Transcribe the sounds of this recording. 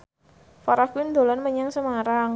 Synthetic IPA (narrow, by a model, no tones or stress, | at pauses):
faɾaɡ̥uɪnd̪o̤lanməɲaŋsəmaɾaŋ